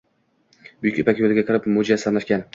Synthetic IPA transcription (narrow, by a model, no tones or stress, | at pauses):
bʊjykʲypakʲjolɪɡʲakʰɪɾɪpmʊd͡ʒiasɪsamlaʃkʲan